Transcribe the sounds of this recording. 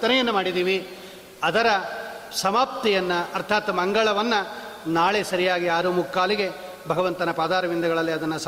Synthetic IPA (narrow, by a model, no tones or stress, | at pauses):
t̪ɐnɛjɐnːumaːɽid̪iːʋi | ɐd̪ɐɾɐsɐmaːp̚t̪ijɐnːɐːɾt̪ʰaːt̪mɐŋɡɐɭɐʋɐnːɐ | naːɭesɐɾijaːɡiaːɾumukːaːliɡe̞ | bʱɐɡɐʋɐnt̪ɐnɐpaːd̪aːɾɐʋind̪ɐɡɐɭɐlːiɐd̪ɐnːɐs